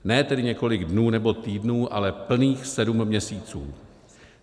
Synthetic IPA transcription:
nɛːt̪ɛdɪɲɛko̞lɪɡdnuːnɛbo̞t̪iːdnuːʔalɛpl̩niːxsɛdumːɲɛsiːt͡sṵː

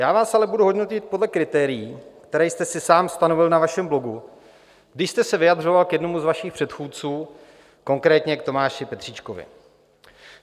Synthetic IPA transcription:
jaːvaːsʔalɛbuduɦo̞dno̞cɪt̪̚po̞dlɛkɾɪt̪ɛːɾɪjiːkt̪ɛɾɛːjst̪ɛsɪsaːmst̪ano̞vɪlnavaʃɛmblo̞ɡu | ɡdɪʃst̪ɛsɛvɪjadr̝o̞valkjɛdno̞muzvaʃɪxpr̥ɛt̪xuːt̪̚t͡suː | ko̞ŋkɾɛːt̪ɲɛkt̪o̞maːʃɪpɛt̪r̝̥iːt͡ʃkovɪ̰

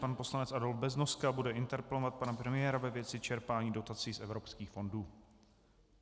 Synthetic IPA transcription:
panpo̞slanɛt͡sʔado̞lfbɛznoskabudɛɪnt̪ɛɾpɛlovat̪̚panapɾɛmɪjɛːɾavɛvjɛt͡sɪt͡ʃɛɾpaːɲiːdo̞t̪at͡siːsʔɛvɾo̞pskiːxfo̞nduː

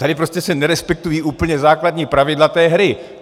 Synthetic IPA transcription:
t̪adɪpɾoscɛsɛnɛɾɛspɛk̚t̪ujiːʔuːpl̩ɲɛzaːkladɲiːpɾavɪdlat̪ɛːɦɾɪ

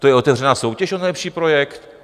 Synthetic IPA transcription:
t̪ojɛʔo̞t̪ɛvrɛnaːso̞wcɛʃʔonɛjlɛpʃiːpɾo̞jɛkt̪

